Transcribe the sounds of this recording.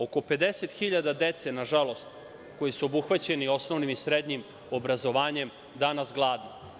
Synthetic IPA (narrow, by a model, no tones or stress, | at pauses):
o̞ko̞pe̞d̪e̞se̞t̪xiʎad̪ad̪e̞t̪se̞naʒalˠo̞st̪ | ko̞jisuobuxʋat͡ɕe̞nio̞sno̞ʋnimisɾed̪ɲim | o̞bɾazo̞ʋaːɲe̞m | d̪anasɡlˠaːd̪i